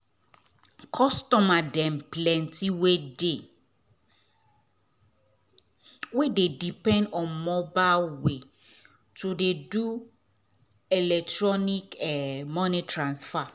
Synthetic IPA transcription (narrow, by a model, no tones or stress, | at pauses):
kʰɔstɔmadɛ̃mplɛ̃ntʰiwede | wededipɛ̃ndɔ̃nmɔbalwe | tʰudedu | ɛlɛk̚tɹɔnikɛmɔ̃nitɹãnsfa